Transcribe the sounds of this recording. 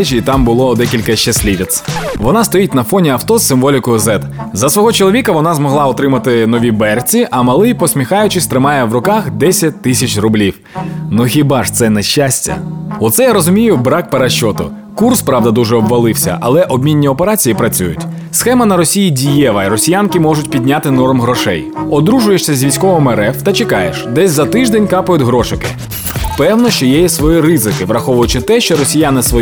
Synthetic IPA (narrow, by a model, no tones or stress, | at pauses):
t͡ʃiːt̪ɑmbʊlˠɔd̪ɛkʲilʲkɐʃt͡ʃɐsʲlʲiʋʲit̪sʋɔnɑst̪ɔjitʲnɐfɔnʲiɐwt̪ɔsɪmʋɔlʲɪkʊzɛt̪zɐsʋɔɦɔt͡ʃɔlˠʋʲikɐʋɔnɑzmɔɦlˠɑɔt̪ɾɪmɐt̪ɪnɔʋʲibɛrt͡sʲiʔɐmɐlˠɪjpɔsʲmʲixɑjʊt͡ʃɪsʲt̪ɾɪmɑjɛʋrʊkɑxd̪ɛsʲɐt̚ʲt̪ɪsʲɐt͡ʃrʊblʲiw | nuxʲibɑʐt̪sɛnɛʃt͡ʃasʲtʲɐ̰ɔt̪sɛjaɾɔzʊmʲijʊbɾɑk̚peɾɐʃɔt̪ʊ | kurspɾɑʋd̪ɐd̪uʒɛɔbʋɐlˠɪwsʲɐ̰ʔɐlˠɛʔɔbʲmʲinʲːiɔpeɾɑt͡sʲijipɾɐt͡sʲujʊ̰tʲ | sxɛmɐnɐɾɔsʲijidʲijɛʋɐiɾɔsʲijankɪmɔʒʊtʲpʲidʲnʲat̪ɪnɔrmɦɾɔʃɛ̰jɔd̪ɾuʒʊjeʃsʲɐzʲʋʲijsʲkɔʋɔmɛɾɛft̪ɐt͡ʃɪkɑjeʃd̪ɛsʲzɐt̪ɪʒd̪ɛnʲkɑpʊjʊtʲɦɾɔʃɪkɪ̰ | pɛwnɔʃt͡ʃɔjɛjisʋɔjiɾɪzɪkɪʋɾɐxɔʋʊjʊt͡ʃɪt̪ɛʃt͡ʃɔɾɔsʲijanɪsʋɔ